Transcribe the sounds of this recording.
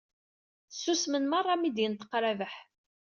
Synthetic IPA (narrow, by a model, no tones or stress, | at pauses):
θsːusmənmɑrˤːɑmid̪jənt̪ə̥qːɾævəħ